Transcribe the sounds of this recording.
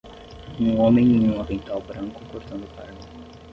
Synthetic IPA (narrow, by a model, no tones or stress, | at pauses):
ũõmẽj̃ẽjũɐvẽjt̪awbɾɐ̃ŋkʊkoɾt̪ɐ̃nd̪ʊpa̰ɾai